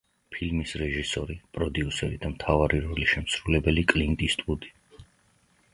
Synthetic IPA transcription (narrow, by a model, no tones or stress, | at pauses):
pʰilmisɾɛʒisɔɾipʼɾɔd̪iusɛɾid̪amt̪ʰavaɾiɾɔliʃɛmsɾulɛbɛlikʼlint̪ʼist̪ʼud̪i̥